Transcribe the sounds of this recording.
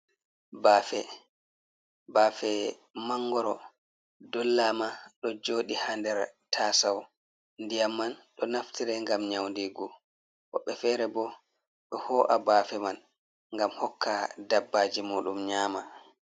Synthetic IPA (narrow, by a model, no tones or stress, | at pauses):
baːfɛ | baːfɛ | maŋːɡɔɾɔ | dɔlːamaɗɔd͡ʒoːɗihandɛɾtʰaːsaw | ndijamːanɗɔnaftʰiɾɛŋɡamɲawndiɡɔ | wɔɓːɛfɛːɾɛbɔ | ɗɔhɔːʔa̰baːfɛman | ŋɡamhɔkʰːadabːaːd͡ʒimuːɗumɲaːma